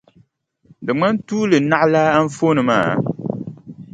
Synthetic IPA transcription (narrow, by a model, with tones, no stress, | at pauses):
dɨ˨ŋ͡ma˦n˦tuː˦lɨ˨na˦ʔla˦a˦n˦fo˦nɨ˨ma̰ː˦˨